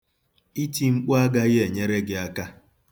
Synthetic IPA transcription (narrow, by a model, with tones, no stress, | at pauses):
i˦ti˦ŋ͡m̩˦k͡pʊ˦a˦ɡa˦ɣɪ˦e˨ɲe˦ɾe˦ɡɪ˨a˦ka˦